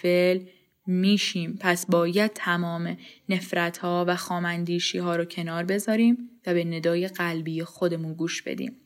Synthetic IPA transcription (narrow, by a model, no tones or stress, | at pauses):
el | miːʃiːmpʰæsbɒːjæd̪̥̚t̪ʰæmɒːmene̞fɾæt̪ʰhɒːvæxɒːmænd̪iːʃiːhɒːɾocʰe̞nɒːɾbe̞zɒːɾiːmvæbe̞ne̞d̪ɒːje̞ɢælbijexo̞d̪e̞munɡuːʃb̥ḛd̪ḭːm